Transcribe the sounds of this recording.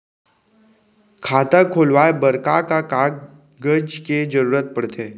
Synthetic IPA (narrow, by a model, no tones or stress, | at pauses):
kʰat̪əkʰolʋajbəɾkakakaɡ̚ | ɡəd͡ʒked͡ʒəɾuɾət̪̚pəɽt̪ʰe